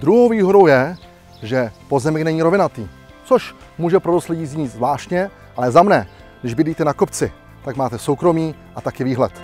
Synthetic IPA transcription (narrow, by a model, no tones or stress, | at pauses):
d̪ɾuɦowviːɦo̞do̞wjɛ | ʒɛpo̞zɛmɛknɛɲiːɾo̞vɪnat̪iː | t͡so̞ʃ | muːʒɛpɾodostlɛɟiːzɲiːzvlaːʃcɲɛ | ʔalɛzamnɛ | nɛʒbɪdiːt̪ɛnakopt͡sɪ | t̪akmaːt̪ɛso̞wkɾo̞miːʔat̪akɪviːɦlɛ̰t̪